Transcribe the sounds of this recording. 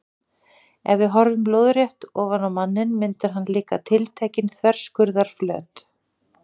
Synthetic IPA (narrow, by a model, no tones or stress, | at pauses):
ɛvvɪðɦɔɾvʏmploːwðɾjɛht̪ɔːɣvanamanːɪnmɪnt̪ɪɾ̥ɦanːlɪːka̰t̪ʰɪlt̪ʰɛːcɪnθʰvɛr̥skʏɾðaɾ̥flœ̰ːt̪